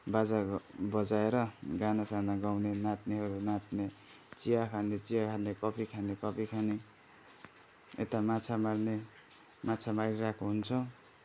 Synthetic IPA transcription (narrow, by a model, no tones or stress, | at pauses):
bad͡zabʌd͡zaeɾʌɡanasanaɡawnenat̪neɦʌɾunat̪ne | t͡sijakʰanet͡sijakʰanekʌpʰikʰanekʌpʰikʰane | ḛt̪amat͡sʰamarne | mat͡sʰamaɾiɾakʰoɦunt͡sʰʌ